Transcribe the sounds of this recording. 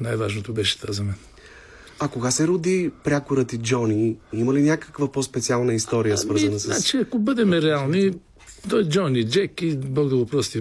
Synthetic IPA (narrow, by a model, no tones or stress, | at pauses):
najvaʒnot̪obɛʃɛ̥t̪azɐmɛn | ɐkoɡasɛɾud̪ipɾʲakoɾət̪id͡ʒɔniiməlinʲjakə̥kvəpɔspɛt̪sialˠnəist̪ɔɾijəsvəɾzənəsəa̰t͡ʃiɐkobəd̪ɛmɛɾɛalˠni | t̪ɔjd͡ʒɔnid͡ʒɛkibɔɡd̪ɐɡopɾɔst̪i